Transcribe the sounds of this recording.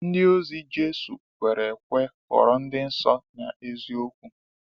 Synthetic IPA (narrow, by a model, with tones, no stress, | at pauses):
n̩˦dɪ˦o˦zi˦d͡ʒe˦sṵ˨kʷe˨ɾe˨kʷe˦kɔ̰˨ɾɔ˨n̩˦dɪ˦n̩˦sɔ˦ɲa˨e˦zi˦o˦kʷu˦